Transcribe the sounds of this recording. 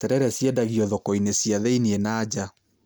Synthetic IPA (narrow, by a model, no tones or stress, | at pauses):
tɛɾɛɾɛsjɛdaɣiɔðɔkɔinesjaðɛinienaːd͡ʑa